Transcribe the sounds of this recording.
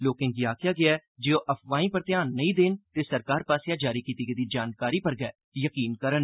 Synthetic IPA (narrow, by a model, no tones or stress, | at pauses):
loːkɪ̃ŋɡjaːkɪjaːɡɪaːɛd͡ʒeoːʔəpʰʋaːĩːpəɾt̪ɪjaːnːəĩːd̪eːnt̪eːsəɾkaːɾpaːsɪjãːd͡ʒaːɾiːkiːt̪iːɡed̪iːd͡ʒaːnkaːɾiːpəɾɡɛː | jəkiːnkəɾən